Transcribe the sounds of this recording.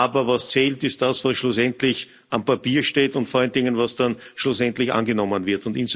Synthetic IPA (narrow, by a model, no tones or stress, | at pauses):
aːbɐvast͡sɛːltɪst̚d̥asvasʃɭʊsɛntlɪç | ʔampapiːɐʃteːtʊntfɔaləndɪŋənvasd̥anʃlʊsɛntlɪçʔa̰nɡənɔmənvɪɐtʊntɪns